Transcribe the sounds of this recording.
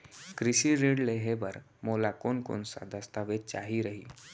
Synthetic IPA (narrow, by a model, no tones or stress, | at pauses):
kɾiɕiɾeɽleɦebəɾ | molakonko̰nsa̰d̪əst̪aʋet͡ɕa̰ɦiɾəɦiː